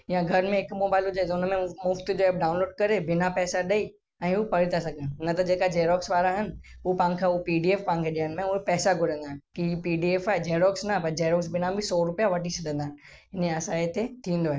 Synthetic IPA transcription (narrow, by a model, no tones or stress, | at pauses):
jãɡʱɐɾmẽɦɪkmoːbaːɪlɦʊd͡ʑaːet̪ʊnmẽmʊft̪d͡ʑoeːb̚ɖaːʊ̃nloːɖ̚kɐɾebɪnapɛːsaɗɐi | ɛ̃ːʊpɐɽit̪ʰasɐɡʱə̃nnɐt̪ɐd͡ʑeːkad͡ʑeːɾɔːksʋaːɾaɦɪnɪ̆ | ʊpãːnkʰãʊpiːɖieːfpãːɪ̃nkʰeɗiənɪmẽʊɦepɛːsaɡʱʊɾə̃nd̪aːɦnkipiːɖieːfaːɦed͡ʑeːɾɔːksnɐpɐɾd͡ʑeːɾɔːksbɪnabʱɪsɔːɾʊpijaʋɐʈisɐɗ̪ə̃nd̪aːɦɪn | ɪneɐsaet̪et̪ʰĩːn̆d̪oaɦe